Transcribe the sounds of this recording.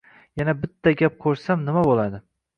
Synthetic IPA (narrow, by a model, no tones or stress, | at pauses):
janabɪt̪ʰːaɡʲap̚qʰoɾsamnɪmabolˠad̪ɪ